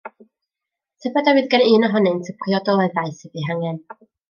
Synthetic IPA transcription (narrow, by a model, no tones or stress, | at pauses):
tʰɛbɛdawɨðɡəniːnɔɦɔnɨntʰəpʰriɔdɔlˠɛðaɨsɨdiɦaŋɛn